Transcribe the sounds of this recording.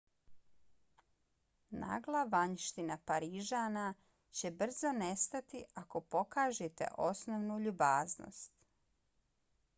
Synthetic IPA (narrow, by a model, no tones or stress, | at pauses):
na̰ːɡlˠaʋaɲʃt̪inapaɾiʒaːna | t͡ɕe̞br̩zo̞ne̞st̪at̪iʔako̞po̞kaːʒet̪e̞̰ʔo̞snoʋnuʎubaːzno̰st̪